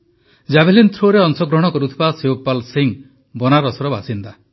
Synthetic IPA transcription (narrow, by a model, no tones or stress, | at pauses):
d͡ʒabʱelint̪ʰɾoɾeɔŋsɔɡɾɔɽ̃ɔkɔɾut̪ʰibaseopalsiŋ | bɔnaɾɔsɔɾɔbasind̪a